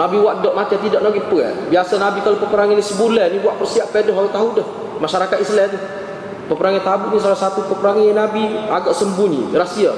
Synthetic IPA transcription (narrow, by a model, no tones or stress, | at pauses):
nabiwaʔdɔʔmat͡ʃat̪idaʔnaɡiʔpəɛ̰t̪̚biasanabikalopəpəɾaŋanisəbulɛnibuaʔpərsiaʔpedɔɦaut̪aɦudəh | maʃaɾakat̪islɛt̪u | pəpəɾaŋat̪abuʔnis̬alahsat̪upəpəɾaŋanabiaɡaʔsəmbunḭrasia